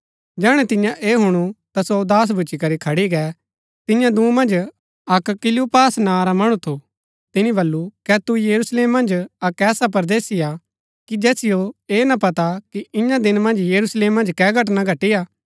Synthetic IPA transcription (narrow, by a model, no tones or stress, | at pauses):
d͡ʒɛːɽ̃ɛt̪ɪ̃jãʔeːɦʊɽ̃ut̪asod̪aːs̬bʱʊt͡ʃikɐɾikʰɐɽiɡɛː | t̪ɪjãd̪ũːmɐ̃nd͡ʒ | ɐkkɪlupaːsnaɾamɐɽ̃ũt̪ʰo | t̪ɪnĩbɐlːukɛt̪ujɐɾusleːmːɐ̃nd͡ʒɐkɛːsap̬ɐɾd̪eːsija | kid͡ʒɛːsɪjoeːnɐpɐt̪akiɪ̃jãd̪ɪnmɐ̃nd͡ʒjɐɾusleːmːɐ̃nd͡ʒkɛːɡʱɐʈ̬naɡʱɐʈijaː